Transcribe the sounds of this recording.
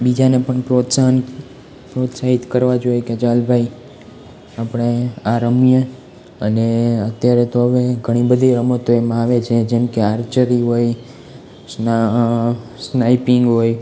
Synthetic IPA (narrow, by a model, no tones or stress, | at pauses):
bid͡ʒanepəɳpɾot̪san | pɾot̪saɦit̪kəɾʋad͡ʒojeked͡ʒalbʱai | apɽ̃eaɾəmijə | əneət̪jaɾet̪oɦəʋeɡʱəɽ̃ibəd̪ʱiɾəmət̪oemãaʋet͡ʃʰed͡ʒɛmkeaɾt͡ʃəɾiɦoj | s | snaipiŋɡɦoj